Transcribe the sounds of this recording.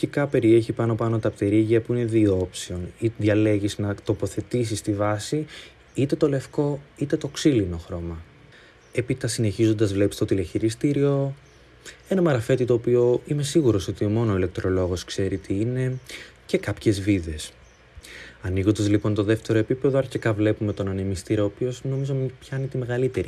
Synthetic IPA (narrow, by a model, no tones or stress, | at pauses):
çikɐpe̞ɾie̞çipɐno̞pɐno̞t̪ɐpt̪e̞ɾiʝɐpuine̞ðio̞psio̞niðʝɐleʝiznɐt̪o̞po̞θe̞t̪is̬ist̪ivɐsi | it̪e̞t̪o̞le̞fko̞it̪e̞t̪oksilinoxɾo̞mɐ | epit̪ɐsine̞çizo̞nd̪ɐzvle̞pi̥st̪o̞t̪ileçiɾist̪iɾio̞ | e̞nɐmɐɾɐfe̞t̪it̪o̞ːpio̞ime̞siɣuɾo̞so̞t̪iomo̞noile̞k̚t̪ɾo̞lo̞ɣo̞skse̞ɾit̪ʰiine̞ce̞kɐpçe̞zviðe̞s | ɐniɣo̞nd̪ɐzlipo̞nt̪o̞ðe̞ft̪e̞ɾo̞epipe̞ðoɐɾçekɐvle̞pume̞t̪o̞nɐnemist̪iɾoːpio̞sno̞mizo̞mipçɐnit̪ime̞ɣɐlit̪e̞ɾi